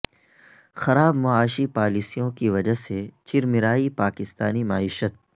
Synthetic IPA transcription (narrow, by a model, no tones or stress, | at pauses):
xɐɾaːbmʊaːʃipaːliːsijõkiʋɐd͡ʒaset͡ʃɪɾmɪɾaːipaːkɪst̪aːnimaːiːʃət̪̚